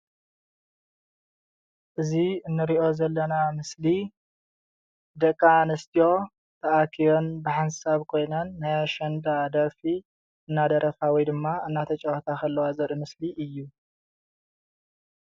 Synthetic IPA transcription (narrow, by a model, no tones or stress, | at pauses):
ʔɨziɨnːɨɾiʔo̞zɐlːɐnamɨsli | d̪ɐkʼːanɐst̪ʰijo̞ | t̪ʰɐʔakʰijo̞nbɨħansaβkʰo̞jnɐnːajaʃɐnd̪ad̪ɐfi | ɨnːad̪ɐɾʔɐfawɔjd̪ɨmːaɨnːat̪ʰɐt͡ʃʼɐwɐt̪ʰakʰɐlːɐwazɐɾɨmɨsliʔɨjːu